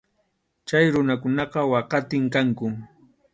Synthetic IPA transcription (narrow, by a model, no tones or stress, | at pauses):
t͡ʃajɾʊnakʊnɑqɑwɑqɑt̪ɪŋkaŋkʊ